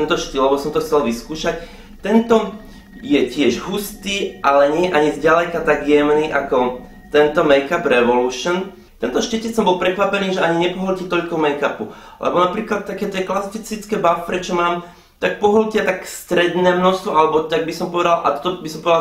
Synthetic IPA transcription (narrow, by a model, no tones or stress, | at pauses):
t̪ɛnt̪ɔʃt̪illɛbɔsɔmt̪ɔxt͡sɛlʋiskuːʃac | t̪ɛnt̪ɔ | jɛcɪɛʒɦust̪iːʔalɛɲɪɛjɛʔaɲizɟalɛkat̪aɡjɛmniʔakɔ | t̪ɛnt̪ɔmɛjkabɾɛʋɔluʃən | t̪ɛnt̪ɔʃcɛcɛsɔmbɔlpɾɛkʋapɛniːʒɛaɲiɲɛpɔɦɔlcit̪ɔʎkɔmɛjkapu | lɛ̰bɔnapɾiːklat̪̚tːakɛːt̪ɪɛklasfit͡sit͡skɛbafpɾɛt͡ʃɔmaːm | t̪ak̚pɔɦɔlcɪat̪akst̪ɾɛd̪nɛːmnɔst̪ʋɔʔalɛbɔt̪aɡ̚bisɔmpɔʋɛd̪alʔa̰t̪ɔ̥t̪ɔbisɔmpɔʋɛd̪al